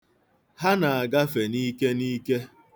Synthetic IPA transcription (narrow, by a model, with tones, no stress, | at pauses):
ha˦na˨a˨ɡa˦fe˨ni˦ke˦ni˦ke˦